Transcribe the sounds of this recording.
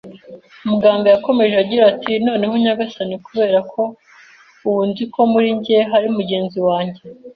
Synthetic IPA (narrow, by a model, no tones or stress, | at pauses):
umuɡaːmbojako̞me̞ʒeaɟiɾatʰino̞ːne̞ɦoɲaɡasanikuβe̞ːɾakʰo̞ | uwuːnzikʰo̞muɾiɲɟeɦaɾiumuɟe̞ːnziwaːɲɟe̞